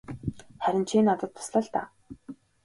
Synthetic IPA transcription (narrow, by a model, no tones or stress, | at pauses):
χæɾʲɪ̆nt͡ɕʰiːnat̪ə̆t̪̚ːʰʊ̥sɮə̆ɮt̪a̰ː